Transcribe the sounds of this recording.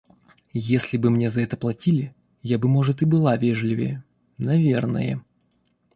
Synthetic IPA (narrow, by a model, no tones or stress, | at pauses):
jesʲlʲɪbɨmnʲe̞zɐɛt̪əplˠɐtʲilʲɪ | jabɨmo̞ʐɨt̪ɨbɨlˠavʲeʐlʲɪvʲə̰j | nɐvʲernə̰jə